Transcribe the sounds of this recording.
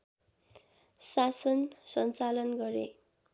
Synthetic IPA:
sasʌnsʌnt͡salʌnɡʌɾḛ

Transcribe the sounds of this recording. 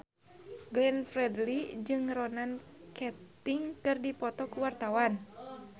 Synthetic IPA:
ɡlɛnfɾɛdlid͡ʒɨŋrɔnankɛt̪iŋkɨrdipɔt̪ɔkuwart̪awan

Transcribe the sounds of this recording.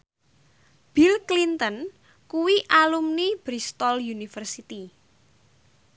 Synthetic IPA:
b̥ilklint̪ən | kuwiʔalumnib̥ɾist̪ɔljunifərsit̪i

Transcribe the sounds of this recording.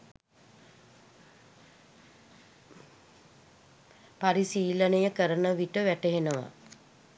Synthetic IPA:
paɾisiːlənəjəkəɾənəʋiʈəʋæʈeɦenəʋa̰

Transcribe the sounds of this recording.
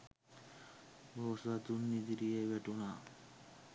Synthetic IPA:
bosat̪unːid̪iɾijeʋæʈuna

